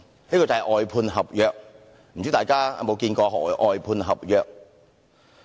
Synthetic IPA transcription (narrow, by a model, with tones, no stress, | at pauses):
niː˥kɔː˨˧t͡sɐ˨hɛ˨ʔɔː˨jpʰuː˧nɦɐ˨p̚jœː˨k̚ | m̩˨˩t͡ɕy˨˥t̪aː˨jkaː˥a̰˨˧mo˨˧wkiː˧nkɔː˧hʔɔː˨jpʰuː˧nɦɐ˨p̚jœː˨k̚